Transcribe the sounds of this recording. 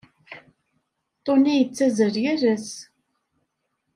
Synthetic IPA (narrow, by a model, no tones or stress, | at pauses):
t̪ˤːonijət͡sːæzəɾjæɾæs